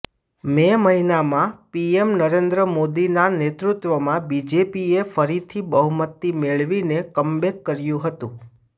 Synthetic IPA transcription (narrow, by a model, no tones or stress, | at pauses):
meməɦinamãpiemnəɾend̪ɾəmod̪inanet̪ɾut̪ʋəmãbid͡ʒepiefəɾit̪ʰibəɦumət̪ːimeɭʋinekəmbekːəɾjũɦət̪ũ